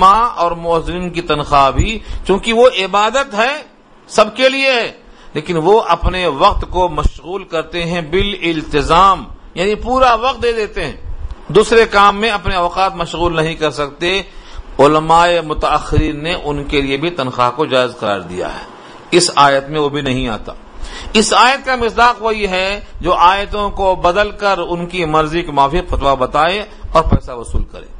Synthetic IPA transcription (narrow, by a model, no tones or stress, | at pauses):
maɔːɾmɔːzɪɾiːnkit̪ɐnxabʱit͡ʃjõːkiʋoʔɪbaːd̪ət̪ɦɛ | sɐb̚kelieɦɛːleːkɪnʋoʔɐpneʋɐq̚t̪komɐʃɣuːlkɐɾt̪eɦɛ̃bɪlɪlt̪ɪzaːmjaːnipuːɾaʋɐq̚t̪̚d̪eːd̪eːt̪eɦɛ̃ːd̪uːsɾekaːmːẽɐpneɔːqaːt̪mɐʃɣuːlnɐɦĩkɐɾsɐk̚t̪eʊləmaːemʊt̪aːxːɪɾiːnːeʔʊnkeliebʱit̪ɐnxaːɦkod͡ʒaːɪzqɐɾa̰ːɾd̪ḭja̰ɦɛ̰ː | ɪsaːjət̪mẽʋobʱinɐɦĩa̰ːt̪a̰ː | ɪsaːjət̪̚kamɪsd̪aːqʋoɦiɦɛd͡ʒoːʔaːjt̪õkobɐd̪əlkɐɾʊnkimɐɾzikmaːfiːqfɐt̪ʋabɐt̪aːe | ɔːɾpɛːsaʋɐsṵːlkɐ̰ɾḛː